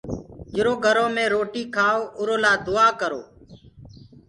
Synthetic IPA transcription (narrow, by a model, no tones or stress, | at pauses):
d͡ʒɪɾoːɡʱəɾoːmẽːɾoːʈiːkʰaːoʊɾoːlaːd̪ʊaːkəɾo̰ː